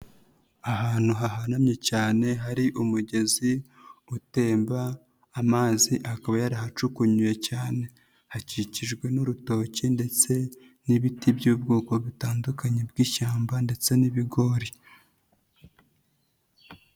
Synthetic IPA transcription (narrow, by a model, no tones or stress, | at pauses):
aɦaːn̥huɦaɦanamɲe̞caːne̞ɦaɾiʔumuɟe̞zi | ute̞ːmbaː | maːziʔakaβajaɾahat͡ʃukuɲujecaːne̞ | haciciʒɡwe̞nuɾuto̞cinde̞t͡se̞ | niβitibjuːb̚ɡoːko̞βitaːndukaɲebɡiːʃaːmbande̞t͡se̞niβiɡo̞ɾi